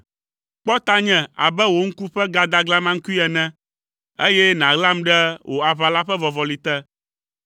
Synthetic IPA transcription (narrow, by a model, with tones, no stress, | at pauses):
k͡pɔ˦t̪a˦ɲɛ̃˨a̰˨bɛ˦wo˦ŋ̩˦ku˦ɸɛ˦ɡa˦d̪a˦ɡla˦mã˦ŋ̩˦ku˦i˦ɛ˨nɛ̃˦ | e˦jɛ˦nã˨ɣla˦mɖɛ˦wʔo˨a˨βa˨la˦ɸɛ˦vɔ˨vɔ˨li˨t̪ɛ˦